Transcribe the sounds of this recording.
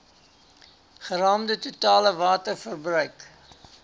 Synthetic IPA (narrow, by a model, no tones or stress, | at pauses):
χəɾɑːmdətutɑːləvɑːtərfərbrœɥk